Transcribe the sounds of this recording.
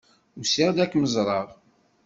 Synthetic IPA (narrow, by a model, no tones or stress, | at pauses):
usɪʁd̪ækːməzˤɾˤɑʁˤ